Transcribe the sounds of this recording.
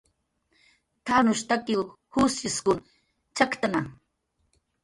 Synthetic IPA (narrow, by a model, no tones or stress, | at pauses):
t̪anʊʃt̪akiw | husiskʊn | t͡ʃakt̪anaŋ